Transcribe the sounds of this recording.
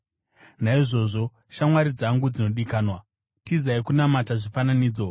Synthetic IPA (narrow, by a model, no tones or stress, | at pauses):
naiʐo̞ːʐo̞ | ʃamwaɾid͡zaŋɡud͡zino̞ɗikaːnwa | tizaikunamataʐifananiːd͡zo